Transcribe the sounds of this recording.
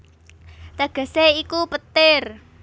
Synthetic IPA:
t̪aɡ̥ə̤seikupət̪ɪr

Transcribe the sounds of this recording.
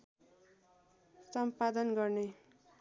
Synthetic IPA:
sʌmpad̪ʌnɡʌrne

